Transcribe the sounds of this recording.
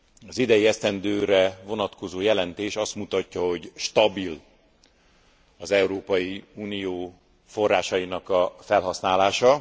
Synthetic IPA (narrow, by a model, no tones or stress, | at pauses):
ɒzid̪ɛjiɛst̪ɛnd̪øːɾɛvo̞nɒt̪ko̞zoːjɛlɛnt̪eːʃɒst̪mut̪ɒcːɒɦo̞ɟʃt̪ɒbil | ɒzɛuɾoːpɒjiuːnijoː | fo̞rːaːʃɒjinɒkɒfɛlɦɒsnaːlaːʃɒ